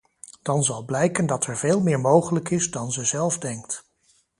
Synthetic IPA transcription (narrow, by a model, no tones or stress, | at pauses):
d̥ɑnzɑlˠblɛjkəndɑtɛɹveːlˠmɪːɹmowχələkɪzdɑnzəzɛlˠvdɛŋkt